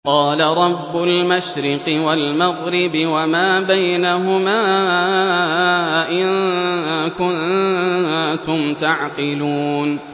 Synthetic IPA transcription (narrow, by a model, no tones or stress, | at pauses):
qɑːlaɾˤɑbːʊlmaʃɾɪqɨwalmaɣɾɪbɪwamaːbajnaɦʊmaː | ʔɪn | kʊn | t̪ʊmt̪aʕqɪluːn